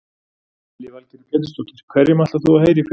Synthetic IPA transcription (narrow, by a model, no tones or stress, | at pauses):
lɪvalc̪ɪɾkɛt̪ʏst̪ɔt̪ɪɾ̥kʰvɛrjɪmah̪t̪aθuaheːjɾɪf